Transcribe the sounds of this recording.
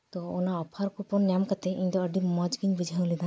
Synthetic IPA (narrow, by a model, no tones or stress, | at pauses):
t̪ɔɔ̰naɔpʰaɾkupɔnːjamkat̪ɛiɲt̪ɔəɖimɔd͡ʒɡiɲbid͡ʒʱawlid̪a